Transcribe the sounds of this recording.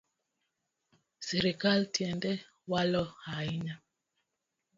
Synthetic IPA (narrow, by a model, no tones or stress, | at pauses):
siɾikaltjɛndɛ | walɔhaiɲa